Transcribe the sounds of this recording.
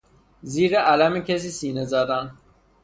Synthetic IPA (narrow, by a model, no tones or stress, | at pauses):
ziːɾeʔælæmecʰes̬iːsiːnezæd̪æn